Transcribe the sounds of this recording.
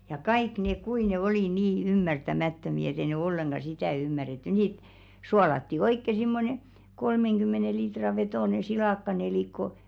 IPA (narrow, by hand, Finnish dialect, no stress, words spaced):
jɑ kɑik neˑk kui ne oli niː ymːærtæmæˑtːømi et e ne olːeŋɡ̊ɑ sitæˑ ymːæretːy nit suɑlɑtːi oikːe simːone kolmeŋɡ̊ymːene litrɑ ʋetoˑne silɑˑkːɑneliˑkːo